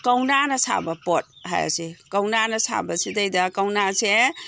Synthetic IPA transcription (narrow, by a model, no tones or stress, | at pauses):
kɐwnanɐsa̰bɐpɔt̚ɦa̰ja̰sikawnanɐsa̰bɐsidajdakawnase